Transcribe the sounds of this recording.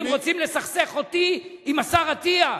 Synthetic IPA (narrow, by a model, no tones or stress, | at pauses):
mʁot͡simlesaχseχo̞t̪iimasaʁat̪ia